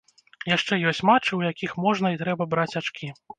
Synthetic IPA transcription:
jaʂt͡ʂɛjɔsʲt͡sʲmat͡ʂɨwjakʲixmɔʐnɐit̪ɾɛbɐbɾat͡sʲat͡ʂkʲi

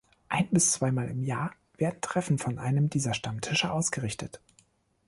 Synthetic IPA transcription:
ʔaɪnbɪst͡sv̥aɪmaːlɪmjaːɐ | v̥eːɐdn̩tʁ̥ɛfn̩fɔnʔaɪnəmdiːzɐʃtamtʰɪʃəʔaʊsɡ̥əʁɪçtət

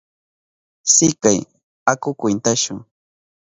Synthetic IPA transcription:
sɪkaj | akʊkwɪnt̪aʃʊŋ

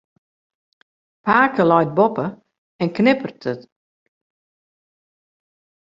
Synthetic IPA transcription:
paːkəlɔjt̚bɔpə | ɛnknɪpərtət

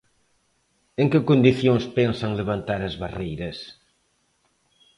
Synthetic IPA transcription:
eŋkɪkond̪iθjõŋspɛnsɐŋleβant̪aɾɐzβarejɾɐs

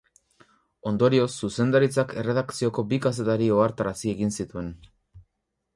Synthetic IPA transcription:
o̞nd̪o̞ɾio̞sːuse̞nd̪aɾit͡sake̞re̞ðakt͡sio̞ko̞bikas̬e̞t̪aɾio̞aɾt̪aɾasie̞ɣinsit̪ue̞n

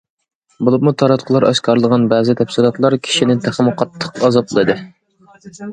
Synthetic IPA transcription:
bulˠɨp̚mut̪ʰɑɾɑt̪qʰəlˠɑɾɑ̰ʃkʰɑɾlˠəʁɑnbæːzɪt̪ʰɛpsɨlˠɑt̪lˠɑɾkʲʰi̥ʃinɪt̪ʰæχəmʊqʰɑt̪ʰːə̥qɑzɑplˠɨd̪ɨ

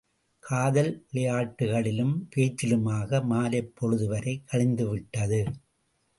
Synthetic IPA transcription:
kʰaːðɐlɪlɐjaːʈːɯɣɐɭɪlɯmpeːt͡ʃːɪlɯmaːɣɐmaːlɐɪpːɔɻɯðɯʋɐɾɐɪkːɐɭɪnd̪ɯʋɪʈːɐðɯ

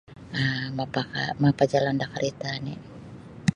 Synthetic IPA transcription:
əmapakamapad͡ʒalandakaɾʔit̪ani

